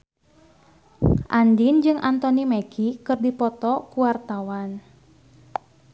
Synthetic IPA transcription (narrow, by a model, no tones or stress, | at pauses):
ʔandind͡ʒɨŋʔant̪ɔnimeɡikɨrdipɔt̪ɔkuwart̪awan